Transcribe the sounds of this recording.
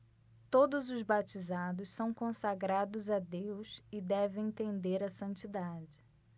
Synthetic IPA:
t̪od̪ʊzʊzbat͡ʃizad̪ʊssɐ̃w̃kõsaɡɾad̪ʊzad̪ewsɪd̪ɛvẽj̃ẽt̪ẽnd̪eɾɐsɐ̃t͡ʃid̪ad͡ʒɪ

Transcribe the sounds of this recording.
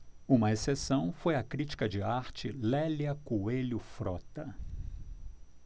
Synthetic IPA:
ũmɐesesɐ̃w̃fojɐkɾit͡ʃi̥kɐd͡ʒɪaɾt͡ʃɪlɛljɐkueʎʊfɾɔt̪ɐ

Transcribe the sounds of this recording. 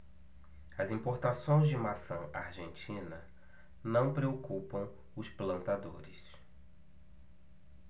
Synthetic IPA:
ɐzĩpoɾt̪asõj̃zd͡ʒɪmasɐ̃w̃aɾʒẽnt͡ʃĩnɐ | nɐ̃w̃pɾeokupɐ̃w̃ | ʊsplɐ̃nt̪ad̪o̰ɾɪs

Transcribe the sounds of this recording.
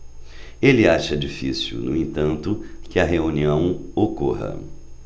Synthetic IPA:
elɪaʃɐd͡ʒifisiwnʊ̰ẽnt̪ɐ̃nt̪ʊkɪɐɦeũniɐ̃w̃okoɦɐ̰

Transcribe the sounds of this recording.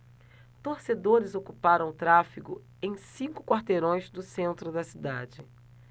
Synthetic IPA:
t̪oɾsed̪oɾɪzokupaɾɐ̃w̃ʊt̪ɾafiɡʊ | ẽj̃sĩŋkʊ̥kwaɾt̪eɾõj̃zd̪ʊsẽnt̪ɾʊd̪ɐsid̪ad͡ʒɪ

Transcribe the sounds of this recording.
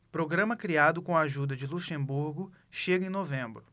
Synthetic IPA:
pɾoɡɾɐ̃mɐkɾiad̪ʊkõaʒud̪ɐd͡ʒɪluʃẽmbuɾɡʊ | ʃeɡɐẽj̃novẽmbɾʊ

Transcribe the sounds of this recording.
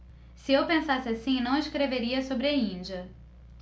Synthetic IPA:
sɪewpẽsasɪasĩnɐ̃w̃ɪskɾeveɾiɐsobɾɪaĩd͡ʒɐ

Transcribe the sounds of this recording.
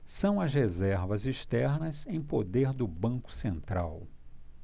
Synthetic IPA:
sɐ̃w̃ɐzhezɛɾvɐziʃt̪ɛɾnɐzẽj̃pod̪eɾd̪ʊbɐ̃kʊ̥sẽnt̪ɾaw

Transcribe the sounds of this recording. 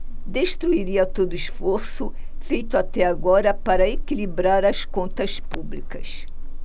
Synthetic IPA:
d̪eʃt̪ɾuiɾiɐt̪od̪ʊɪʃfoɾsʊ | fejt̪ʊat̪ɛaɡɔɾɐpaɾɐekilibɾaɾɐskõnt̪ɐspublikɐs

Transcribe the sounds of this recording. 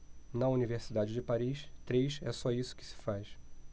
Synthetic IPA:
nɐuniveɾsid̪ad͡ʒɪd͡ʒɪpaɾiʃt̪ɾejʃɛ̰sɔisʊ̥kɪ̥sɪ̥fajʃ

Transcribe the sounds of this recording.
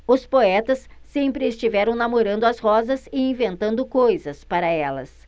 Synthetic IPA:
ʊspoɛt̪ɐsː | ẽmpɾɪːst͡ʃivɛɾɐ̃w̃namoɾɐ̃nd̪ʊɐshɔzɐsɪĩvẽnt̪ɐ̃nd̪ʊkojzɐspaɾɐɛlɐ̰s

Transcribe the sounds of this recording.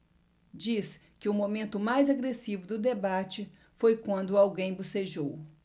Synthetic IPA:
d͡ʒis | kɪʊmomẽnt̪ʊmajzaɡɾesivʊd̪ʊd̪ebat͡ʃɪ | fojkwɐ̃nd̪ʊawɡẽj̃boseʒow

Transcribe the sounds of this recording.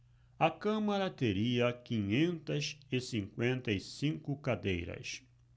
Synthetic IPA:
ɐkɐ̃mɐɾɐt̪eɾiɐkĩɲẽnt̪ɐzɪsĩŋkwẽnt̪ɐisĩŋkʊkad̪ḛjɾɐ̰s

